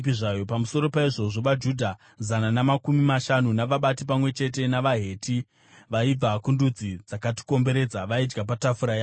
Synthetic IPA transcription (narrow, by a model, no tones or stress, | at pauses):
iʐaːjo̞pamuso̞ɾo̞paiʐo̞ʐo̞ʋad͡ʒuːdʱa | zananamakumimaʃanunaʋaɓatip̬amwe̞t͡ʃe̞t̬e̞naʋaɦe̞ːtʰi | ʋaib͡vakundud͡zid͡zakati̥ko̞mbe̞ɾe̞ːd͡zaʋaid͡ʒɡap̬atafuɾaja